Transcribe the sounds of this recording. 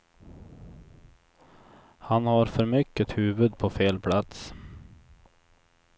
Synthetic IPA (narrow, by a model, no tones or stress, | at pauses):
hanhaɾfœɾmʏkːət̪hʉːvɵd̪pʰɔfeːlpʰlat̪s